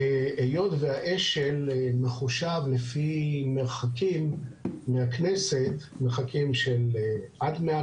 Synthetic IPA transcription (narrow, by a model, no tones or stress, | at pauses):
eʔejo̞d̪vehaʔeʃelmeχuʃavlefimeʁχakimːehakneset̪ | meχakimʃelʔad̪mea